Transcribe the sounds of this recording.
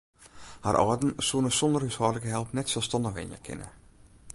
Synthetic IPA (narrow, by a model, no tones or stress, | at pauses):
ha̰rʔɔ̰ːdn̩suənəsɔndəryshɔːdləkəɦɛlˠpnɛtsɛlˠstɔndəxɪ̰njə̰kʰɪ̰nə̰